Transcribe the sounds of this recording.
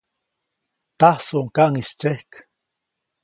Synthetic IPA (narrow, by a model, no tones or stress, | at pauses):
t̪ahsoʔŋkaʔŋist͡ʃehk